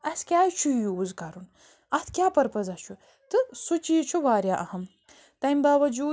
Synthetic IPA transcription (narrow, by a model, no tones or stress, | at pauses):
ɐskʲaːjt͡ʃʰujuːzkɐɾun | ɐt̪ʰkʲjaːpɐɾpɐzɐt͡ʃʰu | t̪ɨsut͡ʃijit͡ʃʰuʋaːɾjaːʔɐhɐm | t̪ɐmʲbaːʋɐd͡ʒuː